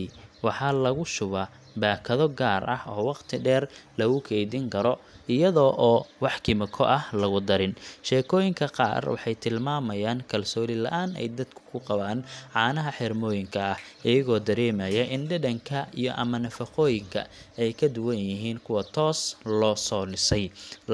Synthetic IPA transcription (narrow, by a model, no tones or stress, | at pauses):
wɑħɑlɐɣʊʃʊβɐ | baːkʰɐðɔɡaːrʔɐhʔɔːwɑqt̪ʰɪɖɛːrlɐɣʊkʰɛjðɪŋkʰɐɾɔɪjɐðɔːʔɔːwɑħkʰɪmɐkʰɔʔɐhlɐɣʊd̪ɐɾɪnʃɛːkʰɔːjɪŋkʰɐqɑ̰ːrwɑ̰ħɑjt̪ʰɪlmaːmɐjaːŋkʰɐlsɔːlɪlɐ̰ʔaːnɛ̰jd̪ɐd̪̥kʰʊ̥kʰʊqɑβaːnʕɑːnɐɦɐħɪrmɔːjɪŋkʰɐɐhʔɪjɐɣɔːd̪ɐɾɛːmɐjɐʔɪnɖɐdɐŋkʰɐijɔ̰ʔɐ̰mɐnɐfɐqɔːjɪŋkʰɐ̰ɛjkʰɐd̪ʊwɐnjɪɦiːnkʰʊwɐt̪ʰɔːslɔːsɔːlɪsɐj